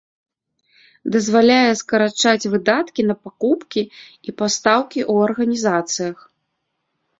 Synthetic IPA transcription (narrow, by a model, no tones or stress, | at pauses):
d̪ɐzvalʲajɛskɐɾat͡ʂat͡sʲvɨd̪at̪kʲinɐpakupkʲiipast̪awkʲiʔuɐrɣɐnʲizat̪sɨjɐx